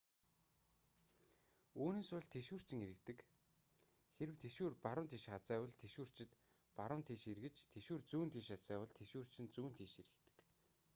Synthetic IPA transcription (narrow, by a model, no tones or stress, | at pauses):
uːneːsʊɮt̪ʰeʃuːr̥t͡ɕɪ̆ŋeɾɘ̆kt̪ɘ̆k | xeɾɘ̆wt̪ʰeʃuːrpaɾʊ̆nt̪ʰiːʃat͡sæːwə̆ɮt̪ʰeʃuːr̥t͡ɕɪ̆t̪ | paɾə̆nt̪ʰiːʃiɾɣɘ̆t͡ɕt̪ʰeʃuːrt͡suːnt̪ʰiːʃat͡sæːwə̆ɮt̪ʰeʃuːr̥t͡ɕɪ̆nt͡suːnt̪ʰiːʃiɾɘ̆kt̪ɘ̥̆k